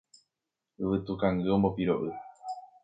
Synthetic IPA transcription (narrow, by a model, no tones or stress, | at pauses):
ɨʋɨt̪ukaŋɡɨombopiɾo̰ʔɨ